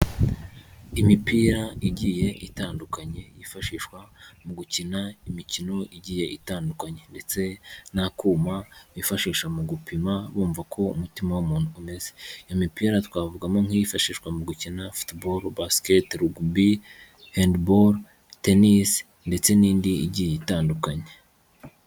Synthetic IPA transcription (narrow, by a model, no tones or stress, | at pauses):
imipiːɾaʔiɟije̞ʔitaːndukaɲe̞jifaʃiːʃkwamuɡucinaimicino̞ʔiɟiːje̞ʔitaːndukaɲe̞nde̞t͡se̞nakuːmaβifaʃiːʃamuɡupimaβuːɱvakʰo̞ṵmutimawumuːn̥uːme̞ze̥amipiaɾatwaːvuɡamo̞ŋ̥ijifaʃiːʃkwamuɡucinafu̥tboɾbasketɾuɡbi | hendboɾ | tenis | nde̞t͡se̞niːndiḭɟiːje̞itaːndukaɲe̞